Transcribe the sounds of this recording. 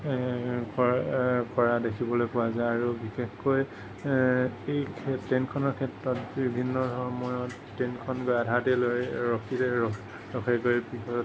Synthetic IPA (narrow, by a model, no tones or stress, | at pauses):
kɔkɔɹadekʰibɔlojpʊwazajaɹubixexkoj | ejkʰtenkʰɔnɔɹkʰɛtɹɔt̚bibʱinːɔdʱɔɹmɔjɔt | tenkʰɔnɡojadʱatelojɹɔkʰitɛɔ | ɹɔkʰɛɡojbixɔ